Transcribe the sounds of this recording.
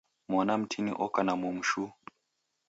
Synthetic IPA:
mwanam̩tʰinḭʔɔkanamɔmuʃu

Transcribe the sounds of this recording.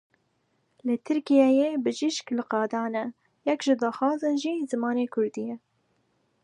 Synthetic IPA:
lɨt̪ʰɨɾkijɛjeːbɨʒɪʃklɨqɑːd̪ɑːnɛ | jɛkʒɨd̪ɑːxɑːzɨnʒiːzɨmɑːneːkʰʊɾd̪ijɛ

